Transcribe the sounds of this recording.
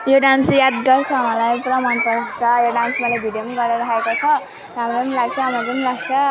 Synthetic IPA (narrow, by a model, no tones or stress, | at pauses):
joɖansjad̪ɡʌrt͡sʰʌɦmʌlajprʌmanpʌt͡sʰʌjoɖansmʌlajbʱiɖjomanɡʌrnʌɾakekot͡sʰʌ | ɾamɾʌpnlaɡ̚t͡sʰʌɦamapʌnilaɡt͡sʰʌ